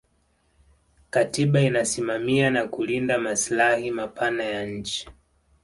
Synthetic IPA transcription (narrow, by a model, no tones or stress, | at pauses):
katiɓainasimamianakulindamaslahimapʰanajaɲ̩t͡ʃi̥